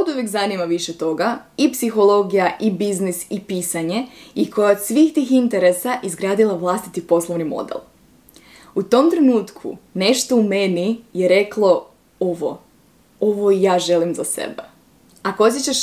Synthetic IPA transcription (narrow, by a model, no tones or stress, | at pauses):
od̪uʋjekzanimaʋiʃet̪o̞ɡaipsixo̞lˠo̞ɡijaʔibiznisipiːsaɲe̞ikʰo̞jasʋixt̪iːxint̪eɾesaʔizɡɾaːd̪ilˠaʋlˠast̪it̪ipo̞slˠoʋnimo̰d̪ḛlˠ | ut̪o̞mt̪ɾe̞nuːt̪kʰṵne̞ʃt̪o̞umenijeɾe̞klˠo̞ | oʋo̰ | o̞ʋo̞ijaːʒe̞limzasḛbe | akoot̪jet͡ɕaʃ